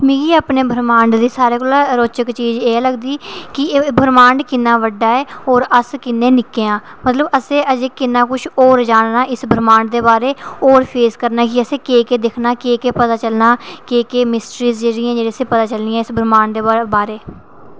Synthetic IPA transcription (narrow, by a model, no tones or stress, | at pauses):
miːɡiːaːpneːbʱəɾmãːɳɖd̪iːsaːɾeːkoːlaːɾoːt͡ʃəkt͡ʃiːd͡ʒeːləɡd̪iːkɪbʱəɾmãːɳɖkɪnːaːʋəɖːaːɛːoːɾəskɪnːẽːnɪkːejãː | mət̪ləbəsẽːəd͡ʒeːkɪnːãːkʊt͡ʃʰoːɾd͡ʒaːnnaːʔɪsbʱəɾmãːɳɖd̪eːbaːɾeːoːɾpʰeːskəɾnaːk̬iəsẽːkeːkeːd̪ɪkʰnaːkeːkeːpət̪aːt͡ʃəlnaːkeːkeːmɪsʈɾiːzd͡ʒeːɽiãːd͡ʒeːɾiːəsẽːpət̪aːt͡ʃəlniãːɪsbʱəɾmãːɳɖd̪eːbaːɾeː